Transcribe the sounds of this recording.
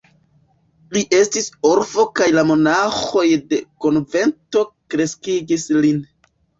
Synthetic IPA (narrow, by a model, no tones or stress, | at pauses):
liʔe̞stiso̞ɾfo̞kajlamo̞naxo̞jde̞ko̞nve̞nto̞kɾe̞skiɡislin